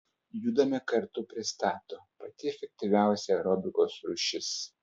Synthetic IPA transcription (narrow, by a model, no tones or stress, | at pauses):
juːd̪ɐmʲɛkɐɾt̪ʊpʲɾʲɪst̪ɑːt̪oːpɐt̪ʲɪɛfʲɛk̚ʲt̪ʲiʋʲæˑʊsʲɛɾɔbʲɪkoːsɾʊːʃʲɪs